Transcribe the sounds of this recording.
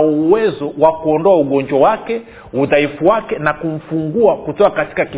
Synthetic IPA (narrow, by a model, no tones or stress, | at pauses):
uwɛzɔwakuɔndɔauɠɔɲd͡ʒwawakɛ | uðaifuwakɛnakum̩fuŋɡuakutɔkakati̥kaki